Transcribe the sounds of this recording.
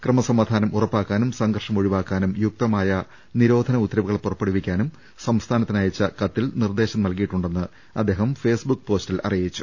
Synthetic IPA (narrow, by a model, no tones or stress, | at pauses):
krɨmɐsɐmaːd̪ʱaːnɐmurɐpːaːkːaːnumsɐŋɡɐrʂɐmo̞ɻiʋaːkːaːnumjuk̚t̪ɐmaːjɐ | niɾo̞ːd̪ʱɐnɐut̪ːɾɐʋuɣɐɭpurɐpːeɽuʋikʲːaːnum | sɐmst̪ʰaːnɐt̪ːinajɐt͡ɕːɐkɐt̪ːilnird̪e̞ːɕɐmnɐlkijiʈːuɳɖe̞nːɨ | ɐd̪ːe̞ːɦɐmfe̞ːsbukːpo̞ːstilʔɐ̰rijit͡ɕːu̥